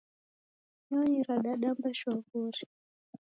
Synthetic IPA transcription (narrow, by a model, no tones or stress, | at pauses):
ɲaɲiɾaɗaɗambaʃwavuɾi